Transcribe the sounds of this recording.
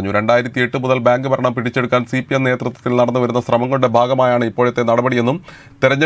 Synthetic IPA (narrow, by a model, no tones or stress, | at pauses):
ɐɲːuɾe̞ɳɖaːjiɾɐt̪ːie̞ʈːɨmuðɐlbaːŋɡɨpɐɾɐɳɐmpiɽit͡ɕːe̞ɽukːaːnsipijemne̞ːt̪rɐt̪ːwɐ̥t̪ːilnɐɽɐnːuʋɐɾun̪ːɐsrɐmɐŋːɐɭɽe̞bʱaːɡɐmaːjaːɳɨipːo̞ːɻet̪ːe̞nɐɽɐbɐɽije̞nːum | t̪iɾɐɲːɐ